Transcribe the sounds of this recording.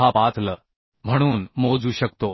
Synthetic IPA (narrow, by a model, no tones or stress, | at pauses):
apat̪lə | m̤əɽ̃uːnmod͡zuːɕəkt̪o